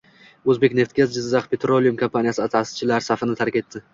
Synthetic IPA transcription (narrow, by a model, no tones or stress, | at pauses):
ɵzbe̞kʲne̞ft̪̚ɡʲazd͡ʒɪzːaχpʰe̞t̪ɾolˠijumkʰompʰanijasɪat̪ʰasɪ̥t͡ʃʰɪlaɾsafɪnɪt̪ʰaɾkʲe̞t̪ːɪ